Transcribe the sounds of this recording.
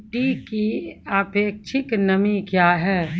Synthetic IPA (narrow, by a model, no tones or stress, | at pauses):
ʈikiaːpeːk̚t͡ʃʰɪknɐmikjaːɦɛː